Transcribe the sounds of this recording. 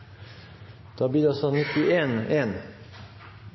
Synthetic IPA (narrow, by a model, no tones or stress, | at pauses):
d̪̥ɑːbliːd̪ɛɑsɔnɪt̪ɪʔeːneːn